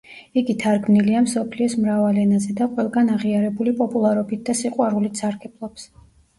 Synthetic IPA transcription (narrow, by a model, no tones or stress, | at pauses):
iɡit̪ʰaɾɡmniliamsɔpʰliɔsmɾavalɛnazɛd̪aqʼwɛlˠɡanaʁiaɾɛbulipʼɔpʼulˠaɾɔbit̪̚d̪asiqʼwaɾulit̪saɾɡɛblˠɔps